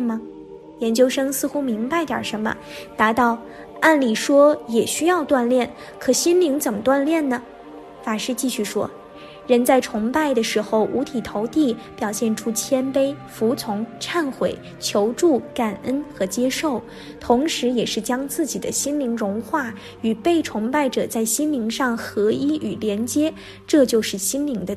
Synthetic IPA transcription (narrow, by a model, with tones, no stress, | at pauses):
mə˨˩ | jɛ˧˥nt͡ɕjo˥ʊʂɤ˥ŋsɹ̩˥˧xu˥mi˧˥ŋpa˧ɪt̪jɐ̰˞˨˩ʂə˧˥nmə̰˧ | t̪a˧˥t̪ɑ˥˧ʊ | a˥˩nli˨˩ʂwɔ˥jɛ˨˩ɕy˥jɑ˥˧ʊt̪wa˥˧nljɛ˥˩n | kʰɤ˨˩ɕi˥nli˧˥ŋt͡sə˨˩mə˦t̪wa˥˧nljɛ˥˩nnə˩ | fa˨˩nʂɻ̩˥˧t͡ɕi˥˧ɕy˥˩ʂwɔ̰˥ | ɻə˧˥nt͡sa˥˩ɪʈ͡ʂʰʊ˧˥ŋpa˥˩ɪd̪ə˩ʂɻ̩˧˥xo˧ʊʔu˧˥t̪ʰi˨˩t̪ʰo˧˥ʊt̪i˥˩pjɑ˨˩ʊɕjɛ˥˩nʈ͡ʂʰu˥t͡ɕʰjɛ˥npe˥ɪfu˧˥t͡sʰʊ˧˥ŋʈ͡ʂʰa˥˩nxwe˨˩˦ɪ | t͡ɕʰjo˧˥ʊʈ͡ʂu˥˩ka˨˩nə˥nxɤ˧˥t͡ɕjɛ˥ʂo˥˩ʊ | t̪ʰʊ˧˥ŋʂɻ̩˧˥jɛ˨˩ʂɻ̩˥˩t͡ɕjɑ˥ŋt͡sɹ̩˥˩t͡ɕi˨˩d̪ə˦ɕi˥nli˧˥ŋɻʊ˧˥ŋxwa˥˩ | y˨˩pe˥˩ɪʈ͡ʂʰʊ˧˥ŋpa˥˩ɪʈ͡ʂɤ˨˩t͡sa˥˩ɪɕi˥nli˧˥ŋʂɑ˥˩ŋxɤ˧˥i˥y˨˩ljɛ˧˥nt͡ɕjɛ˥ | ʈ͡ʂɤ˥˧t͡ɕjo˥˧ʊʂɻ̩˥˩ɕi˥nli˧˥ŋd̪ə˧